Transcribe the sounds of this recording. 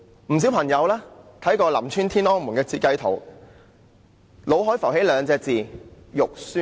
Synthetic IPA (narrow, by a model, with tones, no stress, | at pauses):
m̩˨˩si˨˥wpʰɐ˨˩ŋjɐ˨˧wlɛː˥t̪ʰɐ˨˥jkɔː˧lɐ̰˨˩mt͡ʃʰyː˥nt̪ʰiː˥nɔː˥ŋmuː˨˩nkɛː˧t͡sʰiː˧t̚kɐ˧jt̪ʰo˨˩w | lo˨˧wɦɔː˨˥jfɐ˨˩wɦe˨˥jlœː˨˧ŋt͡sɛː˧k̚t͡siː˨˩jʊ˨k̚syː˥